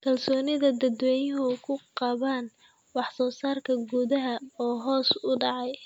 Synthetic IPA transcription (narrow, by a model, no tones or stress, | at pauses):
kʰɐlsɔːnɪðɐd̪ɐd̪wɛːjɦʊkʰʊqɑβaːn | wɑħsɔːsaːrkʰɐɡuːðɐɦɐɔːɦɔːsʊɖɑʕɑj